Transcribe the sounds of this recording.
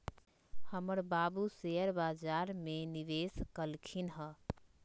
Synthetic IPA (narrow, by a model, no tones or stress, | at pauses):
həməɾbabuseəɾbad͡ʒaɾmeniʋeskəlkʰinɦə